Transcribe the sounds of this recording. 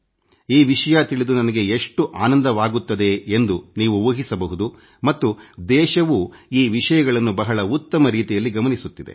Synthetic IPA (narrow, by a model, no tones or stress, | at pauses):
iːʋiʂɐjat̪iɭid̪unɐnɐɡe̞eʂʈuʔaːnɐnd̪ɐʋaːɡut̪ːɐd̪e̞end̪uniːʋuoːɦisɐbɐɦud̪u | mɐt̪ːud̪ɛːʃɐʋuːiːʋiʂɐjɐɡɐɭɐnːubɐɦɐɭɐut̪ːɐmɐɾiːt̪ijɐlːiɡɐmɐnisut̪ːid̪ḛ